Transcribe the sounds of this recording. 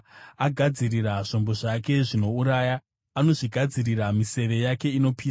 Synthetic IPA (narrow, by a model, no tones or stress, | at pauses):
aɡʱad͡ziriraʐ̥ombo̞ʐake̞ʐino̞uɾaːjaː | no̞ʐiɡʱad͡ziriramise̞ʋe̞jake̞ino̞piːa